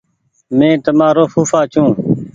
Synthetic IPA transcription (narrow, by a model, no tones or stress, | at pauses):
mẽːt̪əmaːɾoːfuːfaːt͡ʃʰũː